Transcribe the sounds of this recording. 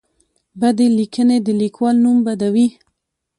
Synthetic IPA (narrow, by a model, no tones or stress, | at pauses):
bad̪elikʰəned̪əlikwɑlnumbad̪awi